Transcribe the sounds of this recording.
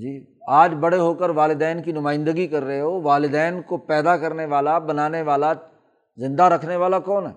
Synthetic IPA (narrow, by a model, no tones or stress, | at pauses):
d͡ʒiː | aːd͡ʒbɐɽ̤eɦokəɾʋaːlɪd̪ɛːnkinʊmãːɪ̃nd̪əɡikɐɾːɐɦeɦoʋaːlɪd̪ɛːnkopɛːd̪akɐɾneʋaːlabɐnaːneʋaːla | zɪ̃nd̪aɾɐkʰneʋaːlakɔːnɦɛː